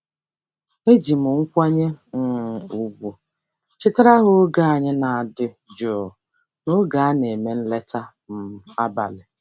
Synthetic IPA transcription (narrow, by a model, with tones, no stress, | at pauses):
e˦d͡ʒi˨m̩˨ŋ̩˦kʷa˦ɲe˦m̩˦˨u˦ɡʷu˨ | t͡ʃɪ˦ta˦ɾa˦ɦʊ˦ɡa˦a˨ɲɪ˦na˨a˨dɪ˦ | d͡ʒo˨ | no˦ɡa˨a˦ne˨me˦n̩˦le˦ta˦ | m̩˦a˦ba̰˨lɪ˨